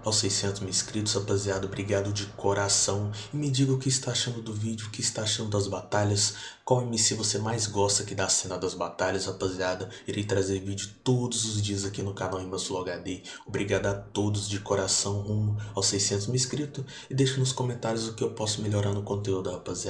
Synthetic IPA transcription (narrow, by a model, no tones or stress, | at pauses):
awsejsẽnt̪ʊzmɪːskɾit̪ʊzapɐziad̪ɐobɾiɡad̪ʊd͡ʒɪkʰoɾasɐ̃w̃ɪmɪd͡ʒiɡɐʊkɪɪst̪aːʃɐ̃nd̪ʊd̪ʊvid͡ʒʊkɪɪst̪aaʃɐ̃nd̪ʊd̪ɐzbat̪aʎɐskɐ̃w̃ɛmɪsɪvosemajzɡɔst̪ɐkɪd̪asẽnɐd̪ɐzbat̪aʎɐzapɐziad̪ɐiɾejt̪ɾazeɾvid͡ʒʊt̪od̪ʊzʊzd͡ʒiɐzakinʊkanawĩmɐ̃sʊloɡaɾd̪eobɾiɡad̪ʊat̪od̪ʊzd͡ʒɪkoɾasɐ̃w̃hũmʊawsejsẽnt̪ʊzmɪːskɾit̪ʊ | ɪd̪ejʃɐnʊskõmẽnt̪aɾjʊzʊkɪewpɔsʊmeʎoɾaɾnʊkõnt̪eud̪ʊd̪ɐapazia